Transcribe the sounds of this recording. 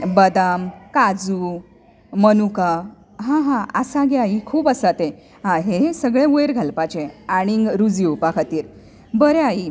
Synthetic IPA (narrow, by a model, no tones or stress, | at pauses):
bəd̪amkad͡zu | mənuka | ɦãɦãəsaɡeaikʰuːpəsat̪e | ɦãɦesəɡɭẽujɾɡʱəlpat͡ɕeaɽ̃iŋɡɾud͡ziupakʰat̪iːɾ | bəɾeai